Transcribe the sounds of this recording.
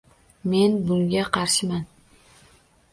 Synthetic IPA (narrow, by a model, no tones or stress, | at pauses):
me̞nbʊŋɡʲaqʰɑɾʃɪman